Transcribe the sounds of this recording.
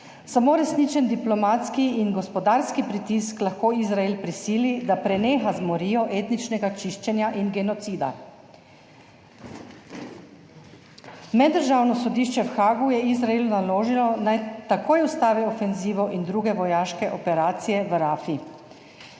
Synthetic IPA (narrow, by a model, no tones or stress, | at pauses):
samoːɾɛsniːt͡ʃɛnd̪iplɔmaːt̪skiinɡɔspɔd̪aːɾskipɾit̪isklaxkoːizɾaelpɾisiːlid̪apɾɛneːxazmɔɾiːjɔʔeːt̪nit͡ʃnɛɡat͡ʃiʃt͡ʃɛnjaʔinɡɛnɔt̪siːd̪a̰ | mɛd̪ːəɾʒaːwnɔsɔd̪iːʃt͡ʃɛwxaːɡujɛizɾaelunaloːʒilɔnajt̪akoːjust̪aːʋɛɔfɛnziːʋɔʔind̪ɾuːɡɛʋɔjaːʃkɛʔɔpɛɾaːt̪sijɛʋɾaːfi